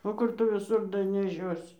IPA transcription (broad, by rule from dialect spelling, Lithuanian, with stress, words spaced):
oː ˈkʊr tʊ ʋʲɪˈsʊr dɐnʲɛˈʃʲoːsʲɪ